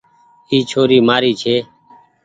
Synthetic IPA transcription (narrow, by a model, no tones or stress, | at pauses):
iːt͡ʃʰoːɾiːmaːɾiːt͡ʃʰeː